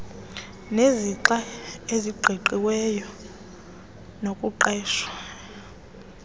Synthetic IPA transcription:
neziǁaeziɡ͡ǃʱiǃiwɛjɔ | nokʼuǃɛːʃwa

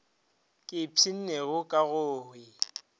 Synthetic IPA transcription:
kʼɪpʰin̩neɣʊkʼaɣʊːhwɪ

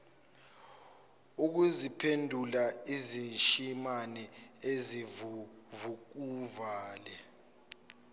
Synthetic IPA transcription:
uk̬uzipʰendʱulaizint͡ʃʼimanɛezivuvuk̬uvaːlɛ

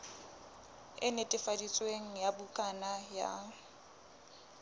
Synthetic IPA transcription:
ɪ̰netʼɪfadit͡sʼweŋ̩jabʊkʼanaja̰

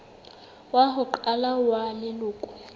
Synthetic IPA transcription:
waɦʊǃalawanɛlʊːkʼu̥

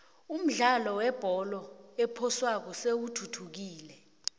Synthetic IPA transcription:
um̩ɮalɔwɛb̥ʱɔlɔɛpʰɔswak̬ɔsewutʰutʰuk̬iːlɛ

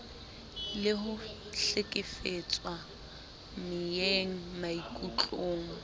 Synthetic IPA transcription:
lɪɦʊ | ɬɪkʼɪfet͡sʼwa | mɪjeŋ̩maikʼut͡ɬʼoːŋ̩

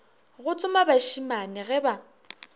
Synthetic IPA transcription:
ɣʊt͡sʼʊmabaʃimanɪɣɛba

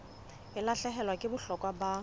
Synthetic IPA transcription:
ɪlaɬɛɦɛlwakʼɪbʊɬɔkʼwaba

